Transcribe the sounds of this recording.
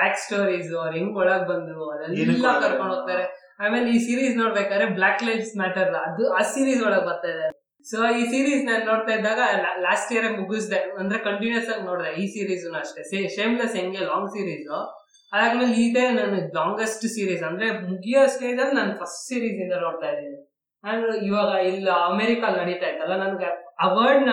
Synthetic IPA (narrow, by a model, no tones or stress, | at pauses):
baːksʈoːɾiːzuɐɾeŋɡɔɭɐːɡ̚bɐnd̪uɐɾɐliɾːakɐɾkoɳɖoɡ̚t̪aːɾe | aːmeːleiːsiːɾiːsnoːɽbeːkaːd̪ɾeblaːklɐjɖsmaːʈɐɾɐd̪uaːsiːɾiːsɔɭɐːɡbɐɾt̪aːjd̪a | soːiːsiːɾiːsneːlnoːɽt̪aːjid̪ːaːɡɐlaːsʈjeɾemuɡus̬d̪eɐnd̪ɐɾekɐɳʈinjɐsaːɡno̞ːɽd̪eiːsiːɾiːznɐʂʈeseʃeːmlɐsɦeŋɡelaːŋɡsiːɾiːzu | ɐd̪aːɡmeːliːt̪enɐnulaːŋɡesʈsiːɾiːsɐnd̪ɐɾemukʰijosiɾiːzɐlːnɐnːɐpʰɐsʈsiːɾiːsind̪ɐnoːɽt̪aːjd̪i | aɳiʋaːɡɐilːɐmeɾikalnɐɽit̪aːjid̪ɐlːanɐnɡeɐʋɐɾɖn